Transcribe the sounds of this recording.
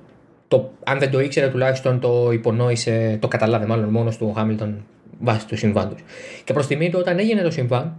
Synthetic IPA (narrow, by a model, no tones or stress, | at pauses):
t̪o̞ɐnðe̞nd̪o̞ikse̞ɾet̪ulɐçi̥st̪o̞nt̪o̞ipo̞no̞ise̞t̪o̞kɐt̪ɐlɐvemɐlo̞nmo̞nost̪uxɐmilt̪o̞n | vɐsi̥t̪usiɱvɐ̰nd̪usce̞pɾo̞st̪imit̪eo̞t̪ɐne̞ʝine̞t̪o̞siɱvɐn